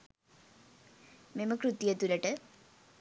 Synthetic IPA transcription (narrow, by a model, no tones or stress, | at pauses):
meməkrut̪jɐt̪ulɐʈə